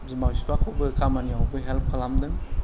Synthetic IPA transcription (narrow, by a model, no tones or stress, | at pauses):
zimawsipʰakʰobɯkʰamaniawbɯɦelp̚kʰalamdɯŋ